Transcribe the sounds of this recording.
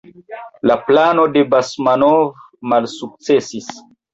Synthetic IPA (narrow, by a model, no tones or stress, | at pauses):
laplanode̞basmanov | malsuk̚t͡sesis